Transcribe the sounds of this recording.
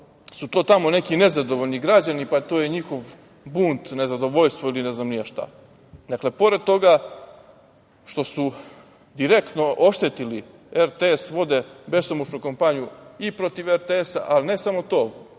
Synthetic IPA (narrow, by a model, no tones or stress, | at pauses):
sut̪o̞ːt̪amo̞ne̞kine̞zad̪o̞ʋoʎniɡɾad͡ʑanipat̪o̞jeɲixo̞ʋ | buːnt̪ne̞zad̪o̞ʋoʎst̪ʋoiline̞znamniaʃt̪a̰ | d̪akle̞po̞ɾed̪̚t̪o̞ɡa | ʃt̪o̞su | d̪iɾekt̪no̞ʔo̞ʃt̪et̪ili | eɾt̪eesʋo̞d̪ebe̞st̪omot͡ʃnukompaɲijuipɾo̞t̪iʋeɾt̪eesa̰ʔaline̞samo̞t̪oː